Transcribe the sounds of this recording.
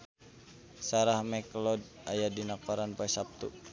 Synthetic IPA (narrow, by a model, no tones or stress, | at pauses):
saɾahmɛklɔd̚ | ajadinakaɾanpoɛsap̚t̪u